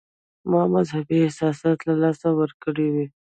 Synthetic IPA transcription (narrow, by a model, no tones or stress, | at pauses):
mɑmazhabiɪsɑsɑt̪lalɑsawəɾkəɽiwi